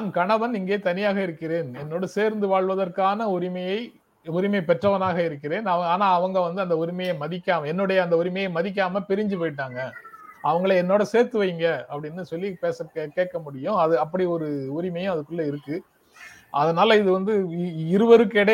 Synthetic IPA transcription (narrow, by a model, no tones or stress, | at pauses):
nkɐɳɐʋɐnɪŋɡeːt̪ɐnɪjaːɣɐɪɾɯkːɪɾeːnɛnːoːɽɐseːɾnd̪ɯʋaːɭʋɐðɐrkaːnɐʊɾɪmɐjɐɪ | ʊɾɪmɐɪpɛʈrɐʋɐnaːɣɐɪɾɯk̬ːɪɾeːnɐʋɐaːnaːɐʋɐŋɡɐʋɐnd̪ɯɐnd̪ɐʊɾɪmɐjɐmɐðɪkʲːaːmɛnːɔɽɐjɐɐnd̪ɐʊɾɪmɐjɐɪmɐðɪk̬ʲːaːmɐpɪɾɪɲd͡ʒɯpoːjɪʈ̬ːaːŋɡɐɐʋɐŋɡɐɭɐɛnːoːɽɐseːɾt̪ɯʋɐjŋɡɐɐpːɐɽɪnːɯsɔlːipeːsɐkeːʈ̚kːɐmʊɽɪjʊ̃ɐðɯɐpːɐɽiɔɾɯʊɾɪmɐjʊ̃ɐðɯkːɯɭːɐɪɾɯkːɯ | ʔɐðɐnaːlɐɪðɯʋɐnd̪ɯɪɾɯʋɐɾɯkːɛɽɐ